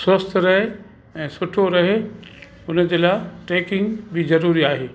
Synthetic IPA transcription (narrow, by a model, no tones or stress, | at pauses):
sɾəst̪ʰɾɐɦe | ɛ̃ːsʊʈʰoɾɐɦe | ʊnə̆d͡ʑeːlaːʈeːkɪ̃ŋɡbɪzɐɾuːɾiaːɦeː